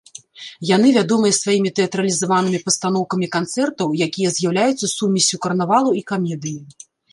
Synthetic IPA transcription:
jan̪ɨvʲad̪ɔmɨjɐsvajimʲit̪ɛɐt̪ɾɐlʲizavanɨmʲipɐst̪an̪ɔwkɐmʲikant̪sɛrt̪ɐwjakʲijɐzʲjawlʲajut̪sːɐsumʲisʲukɐrnavalˠuikamʲɛd̪ɨji

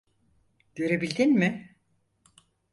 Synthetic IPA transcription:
ɟ̥øɾebilʲd̪inmɪ

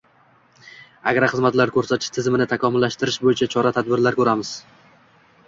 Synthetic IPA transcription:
aɡʲɾaχɨzmat̪laɾkʰɵɾsat̪ʰɪ̥ʃt̪ʰɪzmɪnɪt̪ʰakʰɒmʊlːaʃt̪ɪɾɪʃbojɪt͡ʃʰat͡ʃʰɒɾat̪ʰad̪̚bɪɾlaɾkʰɵɾamɪz̥

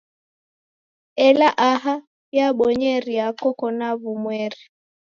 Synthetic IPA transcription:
ɛlaʔaɦa | jaɓɔɲɛɾiakɔkɔnaβumwɛɾi

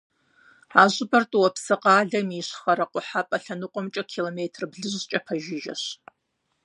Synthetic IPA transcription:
aːʑʷɨbɐrtʼuwɐpʰsɨqɑːɮɐmiːɕχɐɾɐqʷʼʊħapʼɐɬɐnɨqʷʼɔmt͡ʃʼɐkʰiloːmeːtʰrbɮɨʑt͡ʃʼɐpʰɐʒɪʒɐ̰ɕ

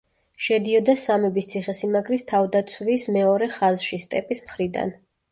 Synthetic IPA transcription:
ʃɛd̪iɔd̪asamɛbist̪sʰiχɛsimaɡɾist̪ʰavd̪at̪sʰvismɛɔɾɛχazʃist̪ʼɛpʼismχɾid̪a̰n

